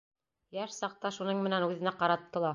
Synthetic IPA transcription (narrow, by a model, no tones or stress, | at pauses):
jæʃsɑq̚t̪ɑʃunɤɴmɘ̆nænʉðɘ̆næqɑɾɑt̪ːɤ̆lˠɑ